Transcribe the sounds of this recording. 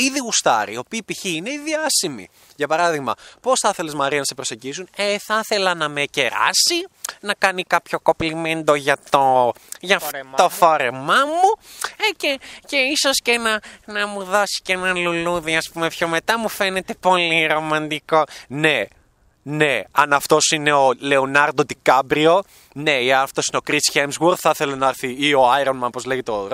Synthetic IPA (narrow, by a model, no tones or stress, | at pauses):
iðiɣust̪ɐ̰ɾiiopiːpiçiine̞iðiɐsimḭ | ʝɐpɐɾɐðiɣmɐ̰po̞sθɐθe̞le̞zmɐɾiɐnɐse̞pɾose̞ɟisuneθɐθe̞lɐnɐme̞ce̞ɾɐ̰sinɐkɐnikɐpço̞ko̞plime̞nd̪o̞ʝɐt̪oʝɐt̪o̞fo̞ɾe̞mɐmuece̞ce̞iso̞sce̞nɐnɐmuðo̞si̥cenɐluluðiɐspume̞pçome̞t̪ɐmufe̞ne̞t̪e̞po̞liɾo̞mɐnd̪iko̞ne̞ | ne̞ɐnɐft̪o̞sine̞oleonɐɾd̪od̪ikɐbɾio̞ | ne̞iɐft̪osineo̞kɾisçemzwoɾθɐθelonɐɐɾθiioajɾonmɐnpozle̞ʝet̪oɾ